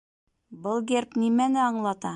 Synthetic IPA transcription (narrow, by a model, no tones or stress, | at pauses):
bɤlˠɡerpnimænɘɑɴlˠɑt̪ɑ